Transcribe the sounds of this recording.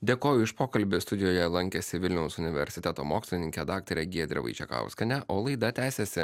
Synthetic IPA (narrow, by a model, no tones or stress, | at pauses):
d̪ʲeːkoːjʊɪʃpoːkɐlʲbʲɪst̪ʊd̪ʲɪjoːjɛlˠɐŋʲkʲɛsʲɪʋʲɪlʲnʲɛʊsʊnʲɪʋʲɛ̰ɾʲsʲɪt̪ʲɛt̪oːmoːksʲlʲɪnʲɪŋʲkʲɛd̪ɑːk̚t̪oɾʲɛɡʲiɛd̪ʲɾʲɛ̰ʋɐ̰ɪt͡ʃʲɛ̰kɐ̰ʊskʲɐnʲɛʔoːlˠɐɪd̪ɐt̪ʲæːsʲɛsʲɪ